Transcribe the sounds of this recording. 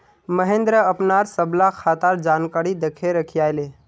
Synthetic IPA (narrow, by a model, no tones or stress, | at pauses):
məɦẽnd̪ɾəəpnaɾsəblakʰat̪aɾd͡ʒankaɾid̪ekʰeɾəkʰijajle